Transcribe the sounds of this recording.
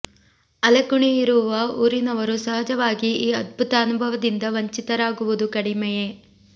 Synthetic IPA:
ɐlɐkuɳiiɾuʋɐuːɾinɐʋɐɾusɐɦɐd͡ʒɐʋaːɡiiːɐd̪̚bʱut̪ɐːnubʱɐʋɐd̪ind̪ɐʋɐɲt͡ʃit̪ɐɾaːɡuʋud̪ukɐɽimɛje

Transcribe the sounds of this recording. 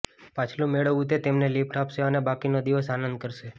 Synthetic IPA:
pat͡ʃʰlũmeɭəʋut̪et̪emnelipʈapʃeənebakinod̪iʋəsanənd̪̚kəɾʃe

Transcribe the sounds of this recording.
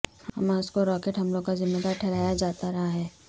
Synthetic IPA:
hhɐmaʊskoɾɔːkeːʈɦɐmloɡkazɪmːəd̪aːɾʈʰɛːɾaːjad͡ʒaːt̪aɾɐɦaɦɛː

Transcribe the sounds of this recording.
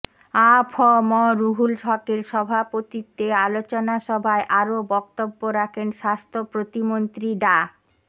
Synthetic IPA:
apʰɔmɔɾuɦulʃɔkeɾʃɔbʱapot̪it̪ealot͡ɕonaʃɔbʱaeʔaɾobɔk̚t̪obːoɾakʰenʃast̪ʰopɾot̪imont̪ɾiɖa

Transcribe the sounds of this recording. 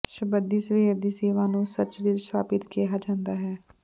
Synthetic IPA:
ʃəbəd̪iːsʋeːəd̪iːseːʋãːnũːsət̪ːʃdiːɾsʰa̰ːpɪt̪keːɦaːd͡ʒãːnd̪aːɦɛː

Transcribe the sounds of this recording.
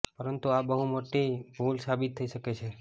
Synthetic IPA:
pəɾənt̪uabəɦũmoʈibʱulsabɪt̪ʰːəiʃəket͡ʃʰe

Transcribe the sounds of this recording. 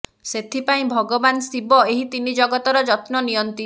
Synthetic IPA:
set̪ʰipaĩbʱɔɡɔbansibɔeɦit̪inid͡ʒɔɡɔt̪ɔɾɔd͡ʒɔt̪nɔnijɔnt̪i

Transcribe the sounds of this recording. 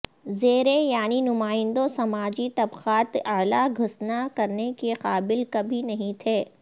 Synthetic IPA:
zeːɾejaːninʊmaːɪ̃nd̪õsɐmaːd͡ʒit̪ɐbqaːt̪ɐːlaɡʱʊsnakɐɾnekeqaːbɪlkɐbʱinɐɦĩt̪ʰeː

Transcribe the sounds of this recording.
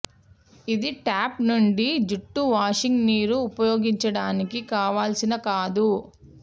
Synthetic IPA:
id̪iʈaːpnuɳɖid͡ʒuʈːuʋaːʂiŋɡniːɾuːpɐjoːɡiɲt͡ʃɐɽaːnikikaːʋaːlsinɐkaːd̪u

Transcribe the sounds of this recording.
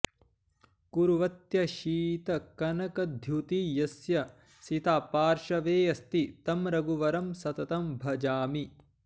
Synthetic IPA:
kuɾuʋɐt̪jɐʃiːt̪ɐkɐnɐkɐd̪ʱjut̪ijɐsjɐ | sit̪aːpaːɾʃɐʋeːjɐst̪it̪ɐmɾɐɡuʋɐɾɐmsɐt̪ɐt̪ɐmbʱɐd͡ʒaːmi

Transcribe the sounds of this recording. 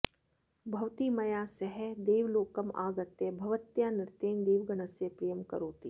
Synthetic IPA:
bʱɐʋt̪imɐjaːsɐɦɛd̪eːʋloːkɐma̰ːɡɐt̪ebʱɐʋət̪jaːnɪɾt̪ẽːnd̪eːʋɡɐnəsepɾijəmkɐ̰ɾoːt̪iː

